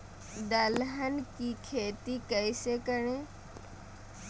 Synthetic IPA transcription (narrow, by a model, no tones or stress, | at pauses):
d̪əlɦənkikʰeːt̪ikəjsekəɾẽ